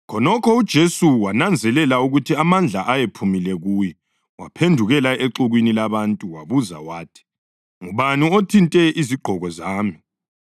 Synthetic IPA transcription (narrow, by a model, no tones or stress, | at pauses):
kʰɔnɔkʰɔud̥ʒ̥ʱesuwanand͡zʱɛlɛlauɣutʰiamand͡ɮʱaʔajepʰumilɛɣujɛ | wa̰pʰendʱuɣɛlaeǁuɣwinilaβantʼuwaβuza̰waːtʰi̥ | ŋuβaniotʰintʼɛʔiziɡ͡ǃʱɔɣɔzaːmi